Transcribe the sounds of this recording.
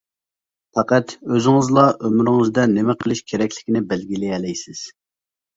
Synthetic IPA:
pʰɑqɑt̪øzɪŋɨzlˠɑʔømyɾɪŋɨzd̪ɛnɪmɛqʰəlˠɪʃkʲʰeɾɛkʲlɪ̥kʲinɪbɛlɡʲilɪɛlɛjsɪz̥

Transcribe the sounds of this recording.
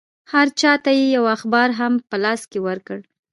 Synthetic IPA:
haɾt͡ʃɑt̪ajejawaxbɑɾɦampəlɑskewəɾkəɽ

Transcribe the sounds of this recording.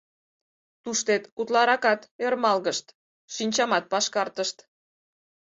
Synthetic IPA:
t̪uʃt̪et̪ut̪lɑɾɑkɑt̪ermɑlɣəʃt̪ | ʃinʲt͡ɕɑmɑt̪̚pɑʃkɑrt̪əʃt̪

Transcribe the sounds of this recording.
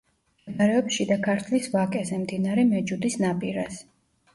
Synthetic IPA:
ɡaɾɛɔpʃid̪akʰaɾt̪ʰlisvakʼɛzɛmd̪inaɾɛmɛd͡ʒud̪isnapʼiɾas

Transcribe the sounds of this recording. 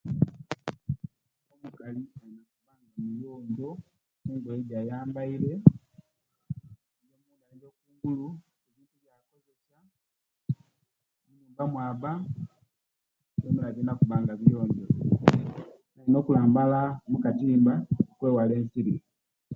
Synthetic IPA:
ɔmukaliainakubaŋɡamijɔɲdɔ | kuŋɡwɔɛɟajambailɛ | d͡ʒɔmundaɛɟɔkuŋɡulu | ɛd͡ʒinduɟjakɔzɛsa | umumbamwaba | sɛmɛlad͡ʒinakubaŋɡavijɔɲɟɔ | nainɔkulambalamukatimbaukwɛwalɛnsiɾi

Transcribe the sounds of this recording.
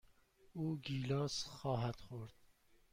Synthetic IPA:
uːɡiːlɒːsxɒːɦæd̪̥χoɾd̪̥

